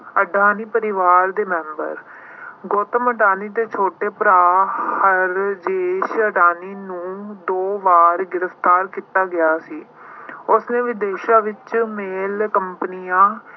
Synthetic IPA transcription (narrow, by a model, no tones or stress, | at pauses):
əɖʱaːniːpəɾɪʋaːɾd̪eːmɛ̃ːmbə̰ɾ | ɡoːt̪əməʈaːniːd̪eːt͡ʃʰoːʈeːpəɾaːhəɾd͡ʒeːʃəʈaːniːnũːd̪oːʋaːɾɡɪɾəft̪aːɾkiːt̪aːɡɪjaːsiː | ʊsnẽːʋɪd̪eːʃaːʋɪt͡ʃmeːlkəmpnijãː